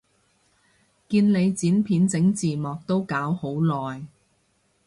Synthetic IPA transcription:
kiː˧nle˨˧jt͡siː˨˥npʰiː˨˥nt͡sɪ˨˥ŋt͡siː˨mɔː˨k̚t̪o˥wkaː˨˥who˨˥wlɔː˨˩j

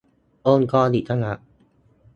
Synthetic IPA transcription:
ʔoː˧nkɔː˧di˨˩t̪ʰa˥ŋa˦˥ʔ

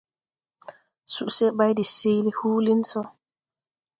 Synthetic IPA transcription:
su˨ʔse˦ba˦jdi˨se˦jli˦huː˦li˦nsɔ˦

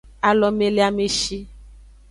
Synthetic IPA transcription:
a˨lɔ˨mẽ˨le˦a˨me˨ʃi˦

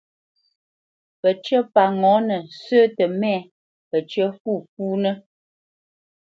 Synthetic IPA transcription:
pə˨t͡ʃə˦pa˨ŋɔ˨˦nə˨səː˦tə˨mɛ˦˨ | pə˨t͡ʃə˦fu˦˨fuː˦nə˦

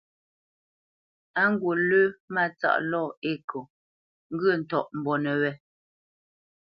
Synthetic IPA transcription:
a˦ŋ̩˦ɡwo˨lʉ˦ma˦˨t͡sa̰˨ʔlɔ˦˨e˦˨ko˨ | ŋ̩˦ɡə˦˨n̩˨tɔ˨ʔm̩˨bɔ˨nɛ˨wɛ˦

